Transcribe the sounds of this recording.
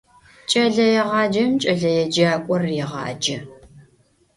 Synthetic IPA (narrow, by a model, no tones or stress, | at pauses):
t͡ʃʼɐɮɐjɛʁɑːd͡ʒɐmt͡ʃʼɐɮɐjɛd͡ʒaːkʷʼɔrjɛʁɑ̰ːd͡ʒɐ